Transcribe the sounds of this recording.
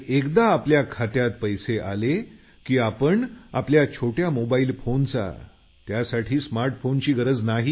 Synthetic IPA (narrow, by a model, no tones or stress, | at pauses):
ekd̪aːpljakʰat̪jat̪̚pəjseʔale | kiːapəɳa̰pljat͡ɕʰoʈjamobaiːlfont͡sa̰ | t̪jasaʈʰiːsmaɾʈfont͡ɕiːɡəɾəd͡znaɦiː